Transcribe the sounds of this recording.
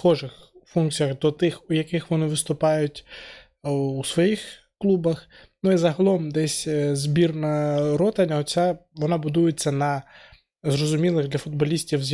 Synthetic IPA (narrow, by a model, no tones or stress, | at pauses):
xɔʒɪxfunk̚t͡sʲijɐɣd̪ɔt̪ɪxʊjɐkɪxʋɔnɪʋɪst̪ʊpɑjʊtʲ | usʋɔjix | klˠubɐx | nuizɐɦɐlˠɔmd̪ɛsʲzbʲirnɐɾɔt̪ɐnʲɐɔt͡sʲaʋɔnɑbʊd̪ujet͡sʲːɐnɐ | zrɔzʊmʲilˠɪɣd̪lʲɐfʊd̪̚bɐlʲisʲtʲiwzʲ